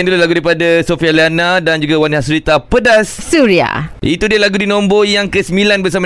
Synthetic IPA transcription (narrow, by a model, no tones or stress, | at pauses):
ndulalaɡudaɾipadasofialianadand͡ʒuɡawaniɦaʔsuɾit̪apədassuɾia̰ʔit̪udiəlaɡudinõmbojaŋkəsəmbilanbərs̬ama